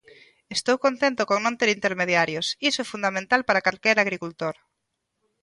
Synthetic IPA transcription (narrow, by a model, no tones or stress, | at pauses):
est̪owkont̪ẽnt̪okoŋnõnt̪eɾint̪eɾmeð̞jaɾjosisoɛfund̪amẽnt̪alpaɾakalkɛɾaɣ̞ɾikult̪oɾ